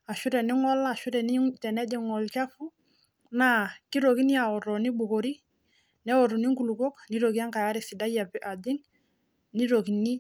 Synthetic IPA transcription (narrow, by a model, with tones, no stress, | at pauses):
a˨ʃʊ˦ɾɛ˨nɪ˦ŋɔ˦la˨ʃʊ˦ɾɛ˨ni˦tɛ˨nɛ˦dɛ˨ŋɔ˨lt͡ʃa˦fu˦ | na˦ki˦ɾo˨ki˦ni˦a˨ɔ˨ɾɔ˨ni˦bu˨ko˨ɾi˦ | nɛ˦ɔ˨ɾu˨ni˦ŋku˨lu˨ko˦kni˦ɾo˨ki˦a˦ŋka˨ja˦ɾɪ˨sɪ˨da˦ja˨pɪ˨ʔa˨dɪ˦ŋ | ni˦ɾo˨ki˨ni˦